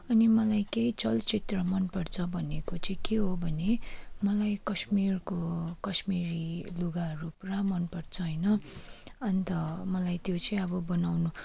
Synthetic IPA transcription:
ʌnimʌlajkejt͡sʌlt͡sit̪rʌmʌnpʌrt͡sʰʌbʱʌnekot͡sʌj̃keɦobʱʌnemʌlajkʌsmirkokʌsmiɾiluɡarupramʌnpʌrt͡sʰʌʌjnʌ | ʌnt̪ʌmʌlajt̪jot͡sʌ̃ĩʌbʌbʌnawnu

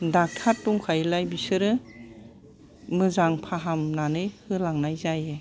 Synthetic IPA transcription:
dak̚tʰaɾtuŋkʰajlajbisɯɾɯ | mɯzaŋpʰaɦamnanɯjhɯlaŋnajzaje

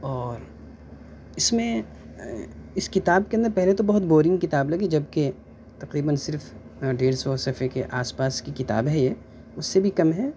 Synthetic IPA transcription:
ɔːɾ | ɪsmẽ | ɪskɪt̪aːb̚keɐ̃nd̪əɾpɛɦlet̪obɐɦʊt̪boːɾɪ̃ŋɡkɪt̪aːblɐɡid͡ʒɐbke | t̪ɐqɾiːbənsɪɾf | ɖeːɾsɔsɐfekeʔaːspaːskikɪt̪a̰ːbɦɛje | ʊsːebʱikɐmɦɛː

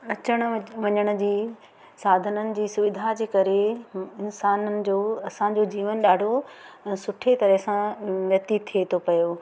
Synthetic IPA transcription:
ɐt͡ɕəɽ̃ʋɐɲəɽ̃ə̆d͡ʑiː | saːd̪ʱənənɪ̆d͡ʑiːsʊʋɪd̪ʱad͡ʑeːkɐɾeɪnsaːnənɪ̆d͡ʑoːɐsãd͡ʑod͡ʑiːʋənɗaːɖʱoɛ̃ːsʊʈʰet̪ɐɾɛɦsãʋjɐkt̪it̪ʰiet̪ʰopɐjoː

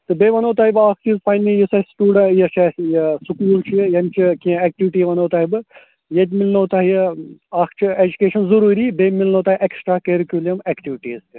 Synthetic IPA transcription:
t̪ɨbeːʋɐnoːt̪aːibɨaːkʰt͡ʃʰizpʰajnĩjisaːsʈuːɖɐjɐʃajɐsukuːlt͡ʃʰijɐnt͡ʃʰikĩɛk̚ʈiʋiʈiːʋɐnoːt̪aːɦibɨ | jet̪ʲmilnoːt̪aːɦijaːkʰt͡ʃʰied͡ʒukeːʃɐnzɐɾuːɾiːbeːmilnoːt̪aːɦiʔeksʈɾaːkeɾikʲjulijɐmekʈiʋiʈiːzti

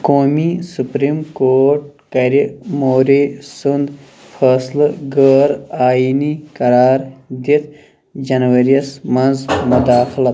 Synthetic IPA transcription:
koːmisupɾimkoːɾʈ̚kɐɾimoːɾisund̪ | fʰɐslɡəɾaːjinikɐɾɑːɾd̪it̪ | d͡ʒɐnwɐɾijɐsmɐnzmʊd̪aːxlɐ

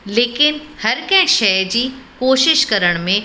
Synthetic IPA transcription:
leːkɪnhɐɾkɐ̃ɦɪ̃ʃɐjd͡ʑiːkoːʃɪʃkɐɾəɽ̃mẽ

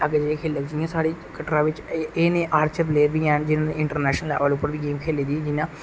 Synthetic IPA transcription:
ɐɡed͡ʒeẽkʰeːlːəkd͡ʒijãːsaːɽikɐʈɾãːʋɪt͡ʃeːnẽːʔaːɾt͡ʃəɾpleːbiãːnd͡ʒɪnãːneɪ̃ɳʈəɾnɛːʃənəla̰ːʋalupːəɾbiɡeːmkʰeːlid̪id͡ʒɪnãː

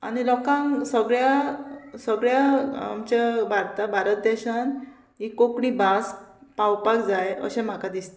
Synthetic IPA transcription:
a̰ɽ̃ilɔkãŋsəɡɭjasəɡɭjaa̰mt͡ɕabʱaɾt̪abʱaɾət̪̚d̪ɛɕan | ikːokɳibaspawpakd͡zajə̰ɕẽm̤akad̪ist̪e

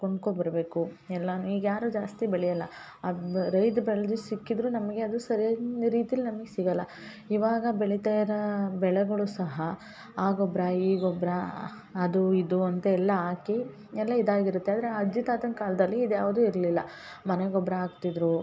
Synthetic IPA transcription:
koɳɖkobɐɾɐbe̞ːkuɛlːɐnːuiːɡɐjaːɾud͡ʒaːst̪ibɛɭɛjɐlːɐ | ɾɐjd̪bɛɭɐd̪usikːid̪ɾunɐmɐɡe̞ɐd̪usɐɾijoɾiːt̪ijɐlːinɐmɐɡesiɡɐlːɐ | iʋaːɡɐbeɭit̪aːjɐɾɐbɛɭɛɡɐɭusɐɦɐ | aːɡɔbɾɐiːɡɔbɾɐː | d̪uid̪uɐnt̪ɐɛlːɐaːki | ɛlːɐid̪aːɡiɾut̪ːeaːd̪ɐɾe̞ɐd͡ʒit̪aːt̪ɐnkaːlɐd̪ɐlːiːd̪jaːʋud̪uːiɾɐlilːɐ | mɐneɡɔbɾɐaːɡt̪id̪ɾu

